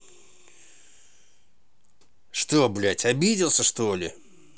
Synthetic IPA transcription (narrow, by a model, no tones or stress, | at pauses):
ʂt̪oblʲætʲɐbʲidʲɪlˠsʲəʂt̪olʲɪ